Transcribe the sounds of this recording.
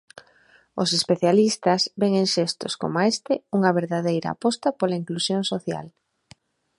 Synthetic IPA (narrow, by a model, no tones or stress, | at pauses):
ʊsespeθjalist̪ɐzbeŋeŋʃest̪ʊ̰sko̰moaest̪ɪuŋɐβeɾðaðejɾa̰a̰pɔst̪ɐpolaiŋklusjoŋsoθja̰l